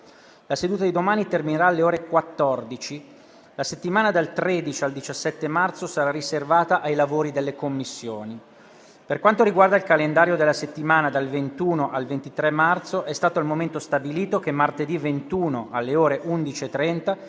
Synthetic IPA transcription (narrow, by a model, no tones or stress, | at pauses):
lased̪uːt̪ad̪id̪omaːnit̪ermineɾaːlːeoːɾekwat̪ːɔrd̪it͡ʃi | laset̪ːimaːnad̪alt̪ɾed̪it͡ʃiald̪it͡ʃasːɛt̪ːemart̪sosaɾariservaːt̪aʔajlavoːɾid̪elːekomːisːjoːni | perkwant̪oɾiɡward̪ailkalend̪aːɾjod̪elːaset̪ːimaːnad̪alvent̪uːnoʔalvent̪it̪ɾɛmːart̪soʔɛst̪aːt̪oilmoment̪ost̪abiliːt̪ok̟emːart̪ed̪ivent̪uːnoalːeoːɾeʔund̪it͡ʃiet̪ːɾɛnt̪a